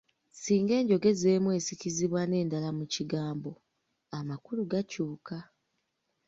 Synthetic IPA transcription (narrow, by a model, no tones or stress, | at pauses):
siːŋɡe̞ːɲɟo̞ɡe̞ze̞ːmwe̞ːsiciziβwane̞ːndalamuciɡaːmbo̞ | amakuluɡacuːka